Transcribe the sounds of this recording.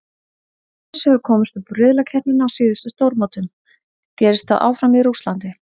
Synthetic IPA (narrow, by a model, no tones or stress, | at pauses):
shɛvʏɾkʰɔːmʏst̪ɔpɾʏðlacʰɛnɪnaːwsiːðɪst̪ʏst̪owɾmaːwt̪ʏm | cɛːɾɪst̪θa̰ðʔa̰ːwfɾamiɾuslant̪ɪ